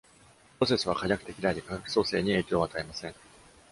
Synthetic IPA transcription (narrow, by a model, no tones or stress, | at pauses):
pɯɾo̞se̞sɨβakajʲakɯ̥t̪e̞kʲid̪aid̪ekakakɯ̟̥so̞ːse̞ːɲ̟ie̞ːkʲo̞ːβat̪aemasẽ̞ŋ